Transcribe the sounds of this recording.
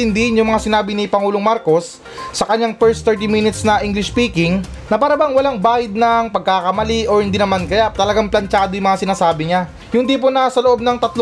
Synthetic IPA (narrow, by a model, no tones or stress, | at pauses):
ɪnd̪ɪhɪnjʊŋmɐŋasɪnaːbɪnɪpɐŋuːloŋmaɾko̞sː | ɐkɐɲaŋpɛɹst̪ɛɹt̪iminɪt̪snɐʔiŋɡlɪʃpiːkɪŋ | nɐpaːɾɐbaŋwɐlaŋbaːhɪd̪̚nɐŋpɐɡ̚kakɐmɐliʔohɪnd̪inɐmankɐjat̪ɐlɐɡaŋplɐnt͡ʃaːd̪ojʊŋmɐŋasɪnaːsaːbɪɲa | jʊnd̪ip̬onasɐloʔo̞b̚nɐŋt̪ɐt̪l